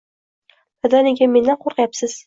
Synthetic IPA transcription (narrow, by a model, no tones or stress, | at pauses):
bad̪anɪɡʲame̞nd̪anqʰoɾqjapsɪz̥